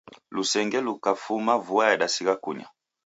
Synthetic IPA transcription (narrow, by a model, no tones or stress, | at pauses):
lusɛŋɡɛlukafumavuaɛɗasiɣakuɲa̰